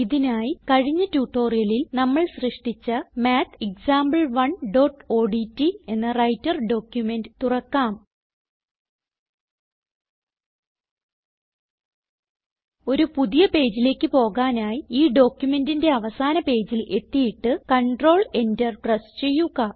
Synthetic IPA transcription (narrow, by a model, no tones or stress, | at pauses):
iðinaːjikɐɻiɲːɐtuːʈːo̞ːrijɐlilnɐmːɐɭɕrɨʂʈit͡ɕːɐmaːt̪ʰek̚saːmbɐɭʋɐɳɖo̞ːʈːo̞ːɖitːie̞nːɐrɐjtːɐrɖo̞ːkjume̞ndɨt̪urɐkːaːm | o̞ɾupuðijɐpe̞ːd͡ʑile̞ːkːɨpo̞ːɣaːnaːjiiːɖo̞ːkjume̞ndinde̞ɐʋɐsaːnɐpe̞ːd͡ʑile̞t̪ːijiʈːɨkɐɳɖro̞ːɭe̞ndɐrʈrɐst͡ɕe̞jːuɣɐ